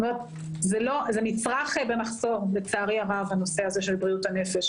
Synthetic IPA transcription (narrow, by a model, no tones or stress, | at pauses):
omeʁet | zelo̞zenit͡sʁaχbemaχzo̞ʁlet͡saːʁiaʁavano̞seazeʃe̞lbʁiutanefe̞ʃ